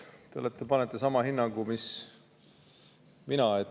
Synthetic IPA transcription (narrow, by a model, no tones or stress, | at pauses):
t̪eolːet̪ːˑepɑnɛt̪ːˑesɑmɑhinːɑŋɡumis | minɑe